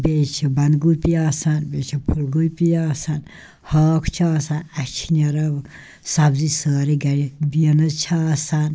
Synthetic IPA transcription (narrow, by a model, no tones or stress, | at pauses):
beːt͡ʃʰibɐnd̪ɡupijaːsanbeːt͡ʃʰipʰuɾɡulpijaːsan | haːkʰt͡ʃʰaːsanɐt͡ʃʰinɐɾɐb | sɐbzisaːɾiɡɐɾibiɐnɐt͡ʃʰaːsan